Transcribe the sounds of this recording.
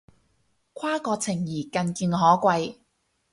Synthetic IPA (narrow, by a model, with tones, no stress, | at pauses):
kʷʰwaː˥kɔː˧t͡sʰɪ˨˩ŋjiː˨˩kɐ˧nkiː˧nɦɔː˨˥kʷɐ˧j